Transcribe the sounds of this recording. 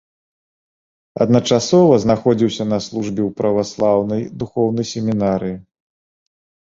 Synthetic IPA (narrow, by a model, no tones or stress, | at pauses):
ɐ̰d̪nɐt͡ʂasɔvɐznaxɔd͡zʲiwsʲɐnɐslˠuʐbʲɛwpɾɐvaslˠawnɐjd̪uxɔwnɐjsʲɛmʲinaɾɨji